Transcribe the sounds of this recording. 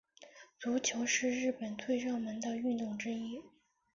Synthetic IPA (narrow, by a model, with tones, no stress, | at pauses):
t͡su˧˥t͡ɕʰjo˧˥ʊʂɻ̩˥˧ɻɻ̩˥˩pə˨˩nt̪ʰwe˥˧ɪʂɑ˥˩ŋmə˧˥nd̪ə˧y˥˧nt̪ʊ˥˩ŋʈ͡ʂɻ̩˥i˥